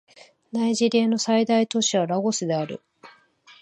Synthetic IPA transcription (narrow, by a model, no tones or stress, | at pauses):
naiʑiɾʲeːno̞said̪ait̪o̞ɕiβaɾaɡo̞sɨd̪e̞aɾɯ̟̰